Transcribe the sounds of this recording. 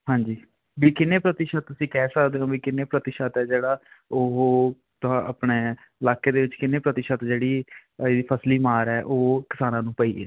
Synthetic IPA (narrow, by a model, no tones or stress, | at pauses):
ɦãːɲd͡ʒiː | biːkɪnːeːpɾət̪ɪʃət̪̚t̪ʊsĩːkɛːsəkd̪eːõːbiːkɪnːeːpɾət̪ɪʃət̪ɛːd͡ʒeːɽaːoɦo | t̪ʊãəpɳeː | ɪlaːkeːd̪eːʋɪt͡ʃkɪnːeːpɾət̪ɪʃət̪d͡ʒeːɽiːeːd̪iːpʰəsliːmaːɾɛːʔoːkɪ̥saːnãːnũːpəiːḛː